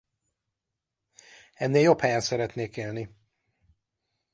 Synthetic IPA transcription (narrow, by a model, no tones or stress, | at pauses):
ɛnːeːljo̞phɛjɛnsɛɾɛt̪neːkeːlni